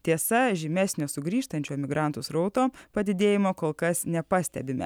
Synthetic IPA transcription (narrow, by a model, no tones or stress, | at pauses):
t̪ʲiɛsɐʒʲɪmʲɛsʲnʲoːsʊɡɾʲiːʃt̪ɐnʲt͡ʃʲoːmʲɪɡɾɑˑnt̪ʊsɾɔʊt̪oːpɐd̪ʲɪd̪ʲeːjɪmoːkoːlˠkɐsnʲɛpɑːsʲt̪ʲɛ̰bʲɪmʲɛ̰